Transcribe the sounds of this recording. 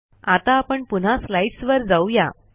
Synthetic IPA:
at̪aːpəɳpun̤aslaiʈsʋəɾd͡zauja̰

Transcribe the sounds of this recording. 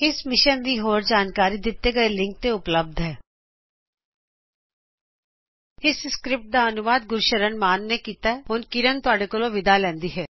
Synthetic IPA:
ɪsmɪʃənd̪iːɦoːɾd͡ʒaːnkaːɾid̪ɪt̪ːeɡɐelɪ̃ŋk̚t̪eʊpləb̚d̪ʱɦɛː | ɪsskɾɪp̚ʈ̚d̪aənʊʋaːd̪̚ɡʊɾʃəɾənmaːnːekiːt̪aɛɦʊnkɪɾənt̪ʊaːɖekolõʋɪd̪alɛ̃ːnd̪iːɦɛː

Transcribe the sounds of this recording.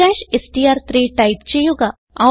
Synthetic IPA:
ɛːʃesʈiːaːɾt̪ʰɾiːʈaɪpt͡ʃejoːɡa | a

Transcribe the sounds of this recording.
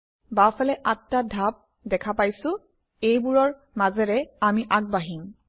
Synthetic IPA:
bafalɛʔatːadʱap̚ | dɛkʰapajsʊ̃ | ejbuɹɔɹ | mazɛɹɛamiʔaɡ̚baɦiŋ

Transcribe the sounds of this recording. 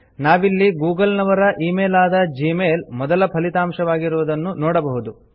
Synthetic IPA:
naːʋilːiɡuːɡɐlnɐʋɐɾɐʔiːmeːlaːd̪ɐd͡ʒiːmeːlmɔd̪ɐlɐpʰɐlit̪aːmʂɐʋaːɡiɾuʋud̪ɐnːunɔːɽɐbɐɦud̪u

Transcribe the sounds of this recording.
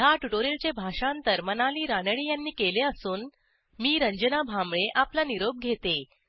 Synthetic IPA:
jaʈuʈoɾilt͡ɕebʱaʂaənt̪əɾmənaliːɾanəɭiːjanːiːkeleəsuːn | miːɾəɲd͡ʑənabʱamɭeʔaplaniɾob̚ɡʱet̪e

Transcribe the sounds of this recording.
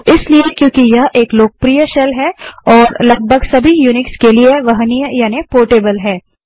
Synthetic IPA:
ɪsliekjõːkijɐɦʔeːkloːk̚pɾijəʃɛlɦɛɔːɾlɐɡ̚bʱəɡsɐbʱijuːnɪkskelieʋɐɦnijəjaːnepoːɾʈeːbəlɦɛː

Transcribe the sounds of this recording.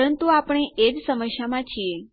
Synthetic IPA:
ənt̪uapɳ̃eed͡ʒsəməʃjamãt͡ʃʰie

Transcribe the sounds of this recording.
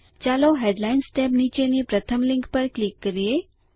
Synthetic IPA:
t͡ʃaloɦeɖlaɪnsʈɛbnit͡ʃenipɾət̪ʰəmlɪ̃ŋkpəɾklɪkːəɾie

